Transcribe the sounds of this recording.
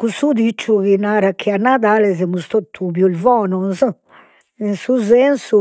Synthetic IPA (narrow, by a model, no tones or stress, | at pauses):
kusud̪it͡ʃːuɣinaɾakʰːianːad̪alɛzɛmust̪ot̪ʰːuβjulvɔnɔnz | insuzɛnsu